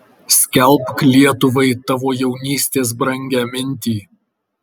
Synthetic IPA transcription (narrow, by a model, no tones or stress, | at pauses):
sʲkʲɛlˠpklʲiɛt̪ʊʋɐɪt̪ɑʋoːjɛʊnʲiːsʲt̪ʲeːs̬bɾɐŋʲɡʲæːmʲɪnʲt̪ʲiː